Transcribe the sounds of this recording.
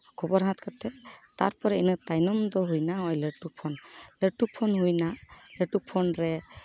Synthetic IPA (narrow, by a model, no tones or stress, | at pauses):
kʰubɔɾɦãt̪kat̪ɛt̪aɾpɔɾɛinɯt̪ajnɔmd̪ɔɦujnaɔjleʈupʰɔnleʈupʰɔnɦujnaleʈupʰɔnɾɛ